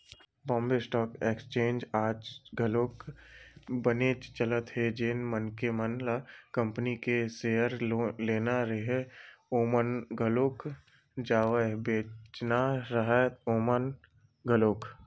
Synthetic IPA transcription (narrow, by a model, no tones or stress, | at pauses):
bɔ̃ːmbesʈɔːkeːkst͡ʃẽːnd͡ʒaːd͡ʒɡəloːk | bənet͡ʃt͡ʃələt̪ɦed͡ʒenmənkemənlakə̃mpnikesejəɾleːnaɾəɦeoːmənɡʱəloːk | d͡ʒaːʋəbeːt͡ʃnaɾəɦɛoːmən | ɡəloːk